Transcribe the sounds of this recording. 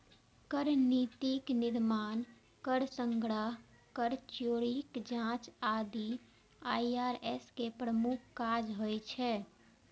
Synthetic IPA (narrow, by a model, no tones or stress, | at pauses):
kəɾnit̪ikniɾman | kəɾsəŋɡɽəɦ | kəɾt͡ʃoɾikd͡ʒãt͡ʃad̪i | ajaɾeskepɾəmukʰkad͡ʒɦojt͡ʃʰɛ